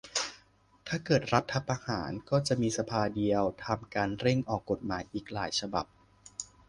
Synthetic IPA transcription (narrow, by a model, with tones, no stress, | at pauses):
t̪ʰaː˥˩kɤː˨˩t̪̚ɾa˦˥t̪ʰːa˧˥pʔaː˧haː˩˦nkɔː˥˩t͡ɕa˨˩ʔmiː˧sa˧pʰaː˧di˧əwt̪ʰa˧mkaː˧nɾe˥˩ŋʔɔː˨˩kːo˨˩t̪̚maː˩˦jʔiː˨˩k̚laː˩˦jt͡ɕʰa˧ba̰˨˩p̚